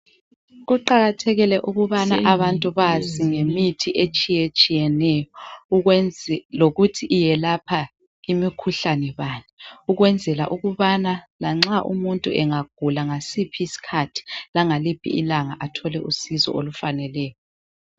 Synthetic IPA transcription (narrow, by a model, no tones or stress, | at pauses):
ɣuǃaɣatʰɛɣilɛʔuɣuβanaʔaβantʼuβaziŋemitʰiʔet͡ʃʼijet͡ʃʼijɛnɛjɔunloɣutʰiʔːjɛlapʰa | imikʰuɬanɛβaːnɛuɣwɛnd͡zʱɛla̰ʔuɣuβanalaŋ͡ǁaʔṵmuntʼuʔɛŋaɡ̥ʱulaŋasipʰiisi̥kʰatʰi̥laŋalib̥ʱḭʔilaŋaʔatʰɔlɛʔusizɔ̰olufanɛlɛːjɔ